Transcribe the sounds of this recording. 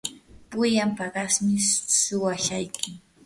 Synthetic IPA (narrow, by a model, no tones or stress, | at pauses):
pʊjampaɢɑsmɪsʊwaʃajkʰɪ